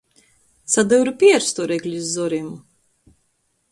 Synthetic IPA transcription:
sad̪ɛwɾupʲiɛɾst̪ɔɾɛklʲizzɔɾimu

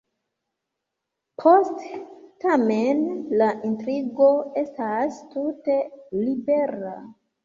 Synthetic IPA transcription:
pʰo̞sttamenlaʔintɾiɡo̞e̞stastute̞libe̞ɾa̰

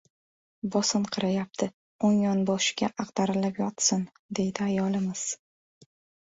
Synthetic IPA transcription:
bɒsɨnqʰɨɾajap̚t̪ʰɪ | oŋjɒnbɒʃɪ̥ɡʲaʔɑqd̪aɾɪlapjɒt̪sɪn | d̪e̞jd̪ɪajɒlˠɪmɪz̥

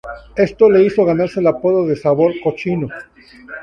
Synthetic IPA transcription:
e̞st̪o̞le̞iso̞ɣanaɾselapo̞ðoðesaβo̞ɾkot͡ʃino

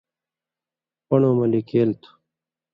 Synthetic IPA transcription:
pʌɳoːmɐlikeːlt̪ʰu̥

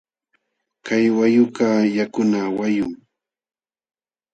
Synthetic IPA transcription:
kajwajʊkajakʊnawajʊŋ

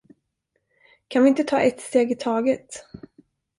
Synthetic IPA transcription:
kʰanvɪɪnt̪ət̪ʰɑ̰ːʔɛt̪st̪eːɡɪt̪ʰɑːɡət̪

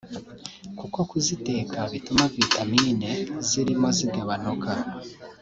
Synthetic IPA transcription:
kuko̞kuzite̞ːkʰaβitumavitamiːneziɾimo̞zibɡoβanoka

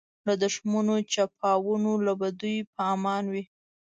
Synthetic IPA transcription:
lad̪ʊʃmunot͡ʃapɑwunolabad̪ujpɑmɑnwi

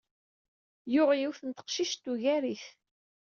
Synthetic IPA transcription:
jʊʁjiwθənt̪ə̥qʃiʃt̪ːuʝæɾiθ

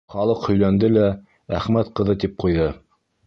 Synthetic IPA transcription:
χɑlˠɤqhɵ̆jlænd̪ɘlæ | æχmæt̪qɤ̆ðɤt̪ip̚qujðɤ

